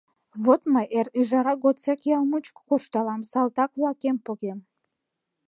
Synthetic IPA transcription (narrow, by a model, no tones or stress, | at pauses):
βot̪məʔeriʒɑɾɑɡot͡sekjɑlmut͡ʃkkuʃt̪ɑlˠɑmsɑlˠt̪ɑkvlɑkempoɣem